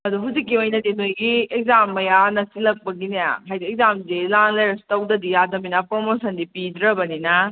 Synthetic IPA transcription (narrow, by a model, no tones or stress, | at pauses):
ɐduɦuzik̬ːiojnɐdinojɡiek̚zamːɐjanɐsilɐk̚pɐɡineja̰ɦajdiek̚zamzilanlɐjɾstɐwdɐdijadɐminɐpɾomosɐndipidɾɐbɐninɐ